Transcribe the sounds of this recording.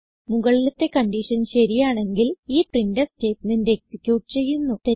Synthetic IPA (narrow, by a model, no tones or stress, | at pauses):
muɣɐɭilɐt̪ːe̞kɐɳɖiʂɐnɕɐɾijaːɳe̞ŋɡiliːprindɐste̞ːtːninde̞ːksikʲːjuːʈːɨt͡ɕe̞jːunːut̪e